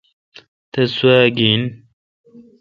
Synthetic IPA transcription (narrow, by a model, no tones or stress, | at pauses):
t̪ɐswaːɡin